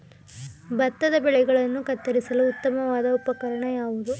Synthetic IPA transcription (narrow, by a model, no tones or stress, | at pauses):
bɐt̪ːɐd̪ɐbɛɭɛɡɐɭɐnːukɐt̪ːɐɾisɐluːt̪ːɐmɐʋaːd̪ɐɔpɐkɐɾɐɳɐjaːʋud̪u